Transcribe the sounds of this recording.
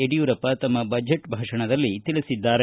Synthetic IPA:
eɽijuːɾɐpːɐt̪ɐmːɐbɐd͡ʒʱeʈbʱaːʂɐɳɐd̪ɐlːit̪iɭisid̪ːaːɾe

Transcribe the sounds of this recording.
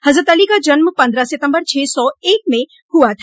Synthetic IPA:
hɐzɾət̪əlikad͡ʒənməpɐ̃nd̪ɾaset̪ə̃mbəɾt͡ʃʰɛːsɔeːk̚mẽ | hʊat̪ʰa

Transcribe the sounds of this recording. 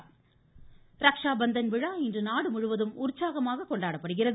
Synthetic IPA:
ɾɐkʂaːbɐnd̪ɐnʋɪɻaːɪndrɯnaːɽɯmʊɻʊʋɐðɯmʊɾt͡ʃːaːɣɐmaːɣɐkːɔɳɖaːɽɐpːɐɽɯɣɪrɐð

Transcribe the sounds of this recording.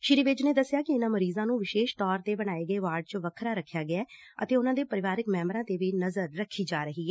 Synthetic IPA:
ʃɪɾiːʋɪd͡ʒneːd̪əsːjaːkɪɪnãːməɾiːzãːnũːʋɪʃeːʃt̪ɔːɾt̪eːbəɽ̃aːeːɡəeːʋaːɾɖ̚t͡ʃəʋəkʰɾaːɾəkʰjaːɡɪɛːə̰t̪eːʊnãːd̪eːpəɾɪʋaːɾɪkmɛ̃ːmɾãːt̪eːʋiːnəzəɾːəkʰːiːd͡ʒaːɾəɦiːɦɛː

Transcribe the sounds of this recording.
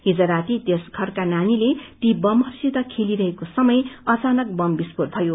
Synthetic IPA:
ɦid͡zʌɾat̪it̪esɡʱʌrkananilet̪ibʌmʌrsid̪ʌkʰeliɾʌɦekosʌmʌjʌt͡sanʌk̚bʌmbispor̚bʱʌjo

